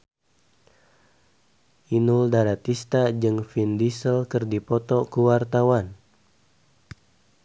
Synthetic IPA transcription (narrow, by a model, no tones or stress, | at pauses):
ʔinuldaɾat̪ist̪ad͡ʒɨŋfindisəlkɨrdipɔt̪ɔkuwart̪awan